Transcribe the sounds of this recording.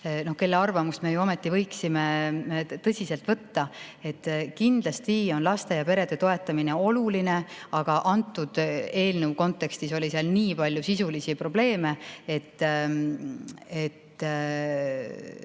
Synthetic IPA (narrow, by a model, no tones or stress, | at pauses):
no̞hke̞lːeɑrvɑmust̪me̞juo̞met̪ˑːivɤ̞jksime̞ | t̪ɤsʲise̞lt̪vɤt̪ːɑe̞t̪ːˑkind̪̥lɑst̪io̞nlɑst̪e̞jɑpe̞ɾe̞d̪̥e̞t̪o̞e̞t̪ːˑɑmine̞o̞luline̞ɑɡ̥ɑʔɑnt̪ːˑud̪̥e̞ːlnewko̞nt̪ːˑe̞kst̪iso̞lʲiseɑlniːpɑlʲjusisulisipro̞b̥le̞ːme̞e̞t̪ː | et̪ː